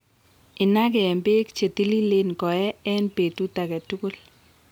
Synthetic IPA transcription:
ɪ˨na˦kɛ˨ɛ˨mbe˦kt͡ʃe˨ti˦li˦le˦nkɔ˨ɛ˦ɛ˦npe˨tu˦ta˨kɛ˨tu˦ku˦l

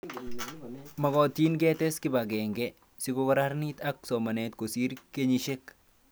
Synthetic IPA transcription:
mɐ˨ɡo˨t̪i˦nɡe˦t̪e˦skɪ˦ba˨ɡɛŋɡe | sikuɡɔɾa˦ɾnit̪a˦ksomɐ˨net̪ko˨si˦ɾke˦ɲiʃe˦k

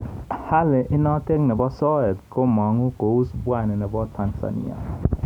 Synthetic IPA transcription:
ha˦le˨ʔɪ˦nɔ˦t̪e˦ŋnə˨bɔ˦sɔ˦ɛ˨d̪ko˦ma˨ŋu˦ko˨˦sbwa˦˨nə˨nə˨bɔ˦t̪ʰa˨nsa̰˨nḭ˦a̰˨

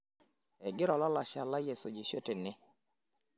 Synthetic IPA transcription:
ɛ˨ɡɪ˦ɾɔ˨lɔ˦la˨ʃa˨la˦jɛ˨so˨d͡ʒɪ˨ʃo˦te˨nɪ˦

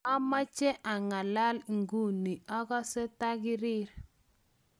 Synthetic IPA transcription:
a˦ma˦t͡ʃe˦ʔa˨ŋa˨la˦lŋɡu˦˨ni˨ɔ˦ɣɔ˦sɛ˦ta˦ɡɪ˦ɾɪ˦ɾ

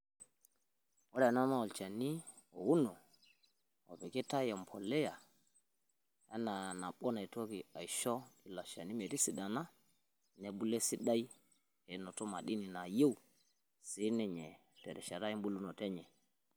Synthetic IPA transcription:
wo˦ɾa˨n˦a˦ma˦o˨lt͡ʃa˨ni˦ | o˨wu˦no˨ | o˨ve˨ke˦ta˦jɛ˨m˨pʰo˨lɛ˦ja˨ | e˦na˨na˨ɓɔ˦na˨i˨to˦ki˨a˨jʃɔ˦i˨la˨ʃa˨ni˦me˨ɾi˦si˨da˨na˦ | ne˨bu˦le˦si˦ɗa˦ji˦ | e˨˦no˨to˦ma̰˨ɗi˦ni˨na˨je˦w | si˨˦nɛ˨ɲɛ˨ | tɛ̰˨ɾɛ˨ʃa˨ɾa˦i˦m˦bu˦lu˦no˨tɛ˦ɲɛ˨

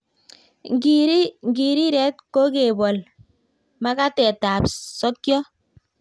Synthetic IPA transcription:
ŋɡi˨ɾi˦ŋɡi˨ɾi˦ɾɛ˨˦t̚ko˦ke˨bɔ˨l | ma˦ka˦tɛ˨ta˨psɔ˦kjɔ˦

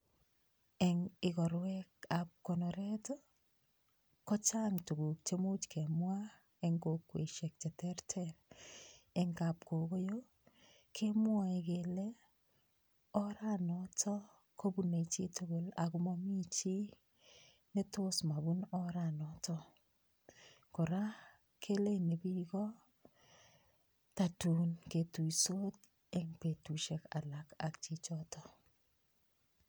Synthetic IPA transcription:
ɛ˨ŋɪ˨kɔ˨ɾwɛ˦ka˨p̚kɔ˨nɔ˨ɾɛ˦to˦ | kɔ˦t͡ʃa˦ŋto˨ɡo˨kt͡ʃe˦mu˦t͡ʃkʰe˨mwa˦ | e˨ŋɡo˨kːwe˨ʃɛ˨k̚t͡ʃɛ˨tɛ˦rtʰɛ˦ɾ | ɛ˨ŋɡa˨p̚ko˨ɡo˦jo˦ | kʰe˦mwɔ˦e˨ɡe˨le˦ | ɔ˦ɾa˦nɔ˦tʰɔ˦ | kʰo˦bu˨ne˨t͡ʃi˦tʰo˦ɡo˨la˨ɡʊ˦mo˦mi˦t͡ʃi˦ | ne˦to˦sma˨bu˦nɔ˦ɾa˨nɔ˨˦tɔ˦ | kɔ˨ɾa˦ | kʰe˦le˦˨ne˨bi˦kɔ˦ | ta˨tu˨nke˨tu˨i˨so˦t | e˦ŋpe˨tu˨ʃe˨ka˨la˨ka˨kt͡ʃi˦t͡ʃɔ˦tɔ˦

